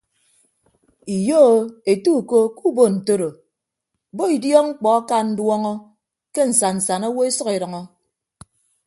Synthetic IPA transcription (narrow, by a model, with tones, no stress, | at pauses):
i˨jo˦˨e˨tu˦˨ko˦ku˦bo˦˨n̩˨to˦ɾo˨ | bo˦i˨djɔ˦ŋ͡m̩˦k͡pɔ˨a˦ka˦n̩˦dwɔ˦ŋɔ˦ | ke˦n̩˨sa˨n̩˨sa˨no˦wo˦e˦sʌ˦ke˨ɾʌ˨ŋɔ˦